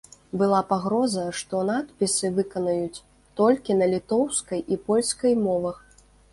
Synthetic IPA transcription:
bɨlˠapaɣɾɔzɐʂt̪ɔnat̪pʲisɨvɨkɐnɐjut͡sʲ | t̪ɔlʲkʲinɐlʲit̪ɔwskɐjʔipɔlʲskɐjmɔvɐx

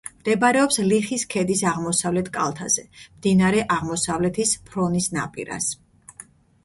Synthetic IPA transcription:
md̪̥ɛbaɾɛɔpsliχiskʰɛd̪isaʁmɔsavlɛt̪ʰkʼa̰lˠt̪ʰa̰zɛmd̪inaɾɛʔaʁmɔsavlɛt̪ʰispʰɾɔnisna̰pʼḭɾa̰s

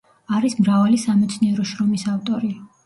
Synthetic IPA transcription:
aɾismɾavalisamɛt̪sʰniɛɾɔʃɾɔmisaft̪ʼɔɾi

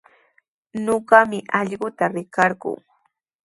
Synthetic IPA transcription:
noɢɑmɪʔɑʎɢʊt̪aɾɪkɑɾɢʊ̰ŋ

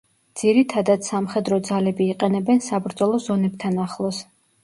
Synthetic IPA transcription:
d̪z̥iɾit̪ʰad̪at̪samχɛd̪ɾɔd̪zalɛbiːqʼɛnɛbɛnsabɾd̪zɔlˠɔzɔnɛb̚t̪ʰanaχlˠɔs

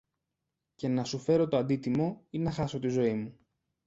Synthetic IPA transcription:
ce̞nɐsufe̞ɾo̞t̪o̞ɐnd̪it̪imo̞inɐxɐso̞t̪izo̞imu

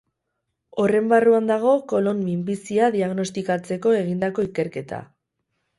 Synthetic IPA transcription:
o̞re̞mbaruand̪aɣ̞o̞ko̞lo̞nmimbisiaðiaɣno̞st̪ikat͡se̞ko̞e̞ɣ̞ind̪ako̞ike̞ɾke̞t̪ʰa̰

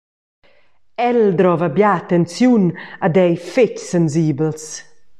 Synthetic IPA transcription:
ɛld̪ɾɔvabjaːt̪ɛnt͡sjunad̪ɛjfecsɛnziːbəls

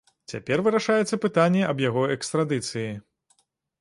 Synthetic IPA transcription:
t͡sʲa̰pʲɛrvɨɾaʂajɛt̪sːɐpɨt̪anʲːɛʔɐbjaɣɔɛkst̪ɾad̪ɨt̪sɨji

